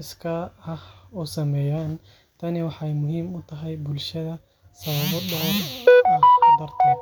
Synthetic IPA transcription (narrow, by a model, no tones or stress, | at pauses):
ɪskʰɐɐhusɐmɛːjaːn | t̪ʰɐnɪwɑħɛjmʊɦiːmʊt̪ʰɐɦɛjbʊlʃɐðɐ | sɐβɐβɔdɔ | ɐhd̪ɐrt̪ʰɐ